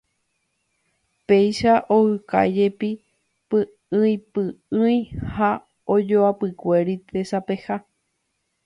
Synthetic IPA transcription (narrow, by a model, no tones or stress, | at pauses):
pe̞jʃaʔohɨka̰jd͡ʒe̞pi | pɨ | ɨ̃ĩpɨɨ̃j̃ha | od͡ʒoapɨkʷe̞ɾit̪ʰe̞sape̞ha